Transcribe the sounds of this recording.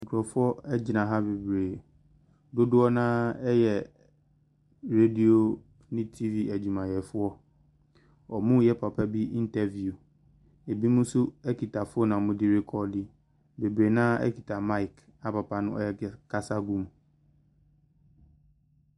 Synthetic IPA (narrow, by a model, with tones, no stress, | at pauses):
ŋ̩˨kʰʊ˨ɾɔ˨fʊ˦ɔ˦ɛ˦d͡ʑɪ˨nã˨ɦa˦be˨bɾeː˨ | do˦dʊ˦ɔ˦nãː˦ɛ˦jɛ˨ | ɾe˦di˦o˨ | nɪ̃˦tʰi˦vi˦æ˨d͡ʑu˨mã˨jɛ˨fʊ˦ɔ˦ | ɔ˨mũ˦jɛ˦pʰa˨pʰa˦bi˦ʔi˦n˦tʰɛ˦vju˨ | e˨bi˦mũ˦sʊ˦ɛ˦kʰi˨tʰa˨fʊ˦ɔ˦nã˨mʊ̃˦dɪ˦ɾe˦kʰɔ˦di˦ | be˨bɾeː˨nãː˦ɛ̰˦kʰi˨tʰa˨mã˦i˨k | a˨pa˨pʰa˨nʊ̃˦ʔɔ̰˦ɛ˦kʰa˦sa˦ɡũ˦m